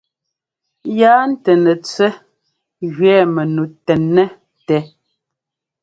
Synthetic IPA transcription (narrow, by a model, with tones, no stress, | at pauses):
jaː˦n̩˦tɛ˨nɛ˨t͡sɛ˦ | ɣɥɛː˦˨mɛ˨nu˨tɛ˨nːɛ˦ | tɛ˨˦